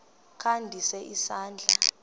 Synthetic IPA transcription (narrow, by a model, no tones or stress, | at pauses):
kʰandʱisɛʔisaːnd͡ɮʱa